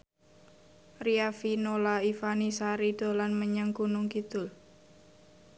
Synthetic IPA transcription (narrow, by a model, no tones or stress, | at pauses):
riafinolaifanisaɾid̥o̤lanməɲaŋkunʊŋkit̪ʊl